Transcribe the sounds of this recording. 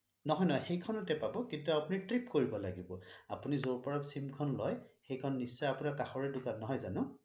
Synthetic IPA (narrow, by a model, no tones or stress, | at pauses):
nɔɦɔjnɔɦɔjxejkʰɔnʊtɛpabɔkintuapunitɹipkoɹibɔlaɡibɔapunizoɹpɔɹɔpsimkʰɔnlɔjxejkʰɔnːisːɔjapunakaxɔɹɛdʊkanːɔɦɔjzanʊ̃